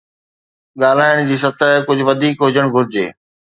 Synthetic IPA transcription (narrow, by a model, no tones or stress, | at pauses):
ɠaːl̤aːɪɽ̃d͡ʑiːsɐt̪əɦkʊd͡ʑʱʊʋɐd̪ʱiːkɦʊd͡ʑəɽ̃ɡʱʊɾɪd͡ʑḛː